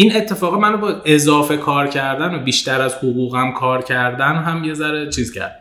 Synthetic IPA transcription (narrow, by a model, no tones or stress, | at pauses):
ine̞t̪ʰːe̞fɒːɣimænobɒʔezɒːfe̞kʰɒːɾcʰæɾd̪ænobiːʃt̪æɾæzhoɣuːɣæmkʰɒːɾcʰæɾd̪ænɦæmje̞zæɾet͡ʃʰiːzcʰæ̰ɾd̪